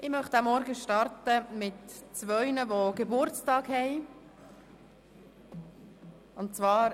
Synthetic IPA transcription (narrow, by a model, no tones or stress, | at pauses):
ɪmœχtdamɔɾɡəʃtɑɾtəmɪtt͡svœʏnəʋoɡ̥ebʊɾt͡stɑːkhɛɪ | ʊntt͡svɑːɾ